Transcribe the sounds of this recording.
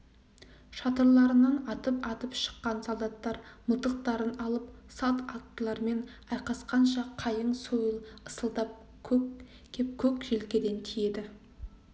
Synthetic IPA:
ʃɑt̪əɾlˠɑɾənɑnɑt̪əpɑt̪əpʃə̥qːɑnsolˠd̪ɑt̪ːɑɾməlˠt̪əq̚t̪ɑɾənɑlˠəpsɑt̪ɑt̪ːəlˠɑɾme̞n | ɑjqɑsqɑnʃɑqʰɑjəɴsojəlˠəsəlˠd̪ɑp̚ | kʲʰɵ | kʲʰep̚kʲʰɵkʒelkʲe̞d̪e̞nt̪ʰije̞d̪ɪ

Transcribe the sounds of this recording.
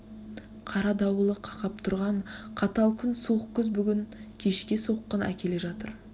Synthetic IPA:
qʰɑɾɑd̪ɑwəlˠəqʰɑqɑp̚t̪ʰʊɾʁɑɴqʰɑt̪ɑlˠkʲʰʏnsuəqkʲʏzbʏɡʲɪŋkʲʰe̞ʃkʲeso̞qːənæ̰kʲe̞le̞ʒɑt̪əɾ

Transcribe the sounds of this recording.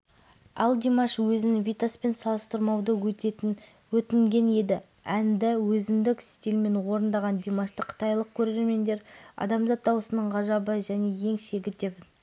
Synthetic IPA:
ɑ̰lˠd̪imaʃwɵzɪnvijt̪aspe̞nsɑlˠəst̪əɾmɑwd̪əwɵt̪et̪ɪn | wɵt̪ɪŋɡʲe̞ne̞d̪ɪ | ænd̪ɪwɵzɪmd̪ɪkɪ̥st̪e̞lme̞nwo̞ɾənd̪ɑʁɑnd̪imaʃt̪əqʰə̥t̪ɑjlˠəq̚kʲʰɵɾee̞ɾme̞nd̪e̞ɾɑ̰d̪ɑmzɑt̪̚d̪ɑwəsənəɴʁɑʒɑbəʒæne̞je̞ŋʃe̞ɡʲɪt̪̚d̪ep

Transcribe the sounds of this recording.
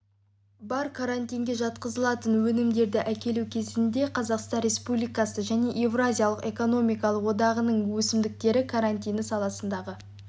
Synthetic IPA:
bɑɾkʰaɾanʲt̪ijŋɡʲe̞ʒɑt̪̚qəzəlˠɑt̪ənwɵnɪmd̪e̞ɾd̪ɪʔækʲe̞lukʲʰe̞zɪnd̪e̞qʰɑzɑqst̪ɑnɾʲe̞spublijkɑsəʒæne̞ʔevrazʲijɑlˠəqe̞ko̞no̞mijkɑlˠəqwo̞d̪ɑʁənəɴwɵsɪmd̪ɪk̚t̪e̞ɾɪkʰaɾant̪ʲijnəsɑlˠɑsənd̪ɑʁə

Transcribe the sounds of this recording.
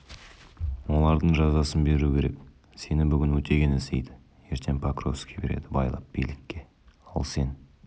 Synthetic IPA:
wo̞lˠɑɾd̪əɴʒɑzɑsənbe̞ɾukʲʰe̞ɾe̞̰k | se̞nɪbʏɡʲɪnwɵt̪ʰe̞ɡʲenesḛjd̪ɪ | je̞ɾt̪ʰe̞npʰakrofskʲebe̞̰ɾe̞̰d̪ɪbɑjlˠɑp̚b̥ejlɪkʲːe̞ | ɑ̰lˠse̞n

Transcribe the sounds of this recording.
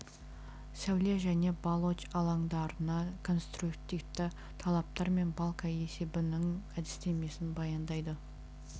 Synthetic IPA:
sæwlʲeʒæne̞bɑlˠo̞t͡ʃɑlˠɑŋd̪ɑɾənɑkʰo̞nst̪rukt̪ift̪ɪ | t̪ʰɑlˠɑp̚t̪ɑɾme̞nbɑlˠkɑe̞se̞bɪnɪŋæd̪ɪst̪e̞me̞sɪnbɑjɑnd̪ɑjd̪ə

